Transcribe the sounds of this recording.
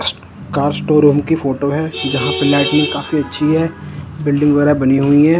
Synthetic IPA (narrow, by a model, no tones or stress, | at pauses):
s | kaːɾsʈoːɾuːmkifoːʈoɦɛd͡ʒɐɦãpɪlaːʈnɪ̃ŋkaːsmẽɐtːʃʰiɦɛːbɪlɖɪ̃ŋɡʋɐɛɾabɐniɦuiɦɛ̃ː